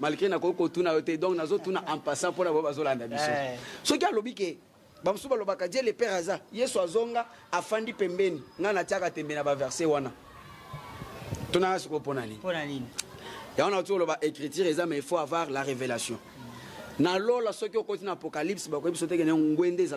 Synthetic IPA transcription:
malɡenakokikotunajotɛdɔ̃knazotunaʔãmpasãponabaobazolandabisosɔkialobike | bamosubalobakadielepɛʁazajesuazoŋɡa | afandipɛmbɛniŋɡanatiakatɛmbenabavɛʁsewana | tonaŋɡasikoponanḭninjaɡaotikolobaʔekʁitiʁezamɛefoavaʁlaʁevelasjɔ̃ | nalolasɔkiokotinaːpokalipsbakiisot̬ekenŋɡwendeza

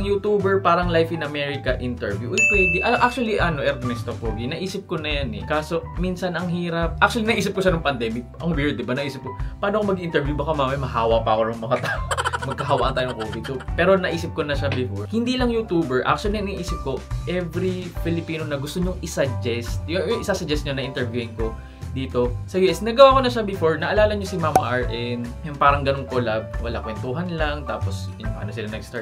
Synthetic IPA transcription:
ɐŋjut̪uːbɛɹpaːɾɐŋlajfɪnɐmɛɹɪkɐʔɪnt̪ɛɹvjuʔɐjpwɛd̪ɪʔɐʔak̚t͡ʃuɐliʔɐno̞ʔɛɾt̪mɛst̪ofoːɡinɐʔiːsɪp̚konɐjanɛ̰kaːso̞minsɐnɐŋɦiːɾɐp̚ʔak̚t͡ʃuɐlinɐʔiːsɪp̚koʃanʊŋpɐnd̪ɛːmɪk̚ʔɐŋwɪɹd̪ɪbanɐʔiːsɪp̚kopɐaːnoɐkomɐɡʔɪnt̪ɛɹvjubɐkomaːmɐjmɐhaːwɐpɐɐkonɐŋmɐŋat̪aːʔomɐɡ̚kɐɦɐwaʔɐnt̪aːjnɐŋkoːpɪd̪sopɛːɾo̞nɐʔiːsɪp̚konɐʃɐbɪfoɹhɪnd̪iːlɐŋjut̪uːbɛɹʔa̰k̚t͡ʃʊɐlinɐnɐʔiːsɪp̚ko̞ʔɛvɾipɪlɪpiːnonɐɡʊst̪oɲʊŋʔɪsɐd͡ʒɛst̪jʊjʊŋʔɪsasɐd͡ʒɛst̪̚ɲonɐʔɪnt̪ɛɹvjuɪnko̞ | d̪iːt̪o̞sɐjuːʔɛsnɐɡɐwaːko̞nɐʃabɪfoɹnɐʔɐlaːlɐɲosɪmaːmɐʔɐɹʔɛnjʊŋpaːɾɐŋɡɐnonkolab̚wɐlakwɛnt̪uːɦɐnlɐŋt̪aːpos | pa̰ːnosɪlanɐɡst̪a

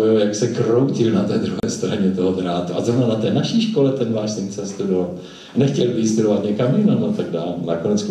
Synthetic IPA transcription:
ɪljaksɛkrowcɪlnat̪ɛːd̪ɾuɦɛːst̪ɾaɲɛt̪oɦot̪ɾaːt̪uazɾovnanat̪ɛːnaʃiʃko̞lɛt̪ɛnvaːʃsɪmt͡sɛst̪udoval | nɛxcɛlvɪst̪udovat̪ɲɛkamjɪnonat̪aɡdaːlnakonɛt͡sk

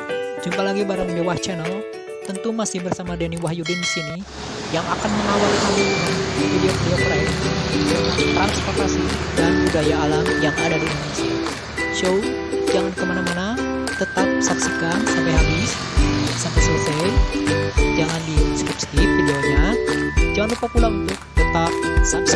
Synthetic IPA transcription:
d͡ʒumpalaɡibaɾamd͡ʒowaht͡ʃənəl | t̪ənt̪umasɪhbərsamadeniwahjudɪndisini | jaŋakanməŋawalkamiaifideokdiokəɾainit̪uidot̪ɾanspɔrt̪asidanbudajaːlamjaŋadadiansi | ʃow | d͡ʒaŋankəmanamana | t̪ət̪ap̚saksikansampajɦabɪs | sampajsələsajad͡ʒaŋandiskɾip̚sk̪ipfideoɲad͡ʒaŋanlupapulaunt̪ʊk̚t̪ət̪ap̚saps

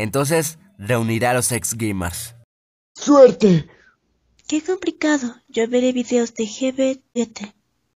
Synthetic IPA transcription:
ent̪o̞ns̬es | re̞uniɾalo̞seksɡejmḛɾs | sweɾt̪e | keko̞mplikaðoʝoβeɾeβiðeozd̪exeβeet̪e

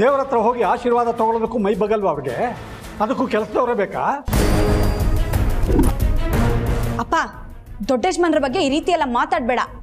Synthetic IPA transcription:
d̪eːʋɐɾɐt̪ɾɐɦoːɡiaːʃiːɾʋaːd̪ɐt̪ɔɡɔɭod̪ɐkːuːmɐjbɐɡɐlʋɐːʋɐɾiɡe | ɐd̪ɐkːuːkɛlɐsɐd̪ɐːʋɾebeːka̰ː | ɐpːaː | d̪ɔɖːeːd͡ʒmɐnɐɾɐbɐɡːe̞iːɾiːt̪iɛlːɐmaːt̪aːɖ̚bɛːɽɐ

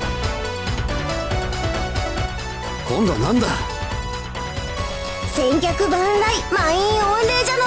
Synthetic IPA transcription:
kõnd̪a̰nãnd̪a | sẽ̞ŋkʲakɯ̟bãnɾaimãĩõnɾe̞ːd͡ʑano

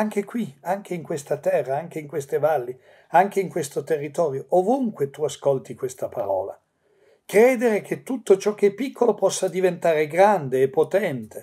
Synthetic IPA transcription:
aŋk̟ekwiaŋk̟ʰeiŋkwest̪at̪ɛrːaaŋkeiŋkwest̪evalːi | aŋk̟eiŋkwest̪ot̪erːit̪ɔːɾjoovuŋkwet̪uaskolt̪ikwest̪apaɾɔ̰ːla̰ | kɾeːd̪eɾek̟ʰet̪ːut̪ːot͡ʃɔk̟ːepːikʰːolopɔsːad̪ivent̪aːɾeɡɾand̪eːpːot̪ɛnt̪e

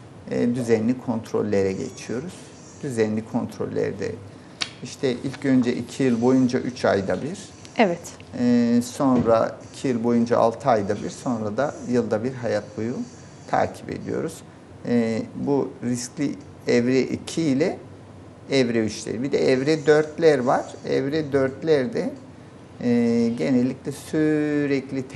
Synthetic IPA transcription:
d̪yzɛnlʲikʰo̞nt̪ʰɾo̞̰lʲːe̞ɾɛɟḛt͡ʃʰijo̞ɾuz̥ | d̪̥yzɛnlʲikʰo̞nt̪ʰɾo̞̰lʲːæ̰ɾd̪ɛ̰ | iʃt̪ʰɛʔilʲcø̞nd͡ʒɛʔicʰijɯlˠbo̞jund͡ʒaʔyt͡ʃʰajd̪abiɾ̥ | ɛvɛt̪ː | so̞nɾa̰icʰijɯlˠbo̞jund͡ʒa̰ʔa̰lˠt̪ʰɯajd̪abiɾso̞nɾad̪ajɯlˠd̪abiɾɦajat̪̚buju | t̪ʰa̰ːɾcʰi̥pe̞̰d̪ḭjo̞̰ɾuz̥ | buɾisclʲi | ɛvɾɛʔḭcʰiːlʲɛ | ɛvɾɛyt͡ʃlʲḛɾibid̪ɛɛvɾɛd̪ø̞ɾt̪lʲæɾvaɾ̥ɛ̰vɾɛd̪øɾt̪lʲæɾd̪ɛ | ɟe̞nɛlʲːiclʲɛsyɾɛclʲit̪ʰ

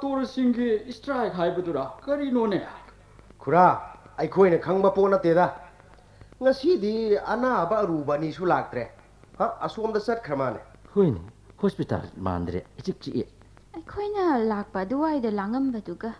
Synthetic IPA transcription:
toɾsiŋɡiːstɾajkʰajbɐduɾakɐɾinone | kʰuɾaɐjkʰojnɐkʰɐŋbɐponːɐtːedɐ | ŋɐsidiɐnabɐːɾubɐnisulak̚tɾe | haɐsomdɐsɐt̚kʰɾɐmane | hojnḭ | hospita̰lma̰ndɾḛit͡ʃik̚t͡ʃiʔḛ | ɐjkʰojnɐlak̚pɐduwajdɐlaŋɐmbɐduɡɐ

